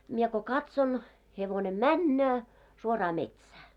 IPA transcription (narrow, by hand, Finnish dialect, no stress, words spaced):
mie ko kɑtson heʋone mænːøː suorɑː metsæː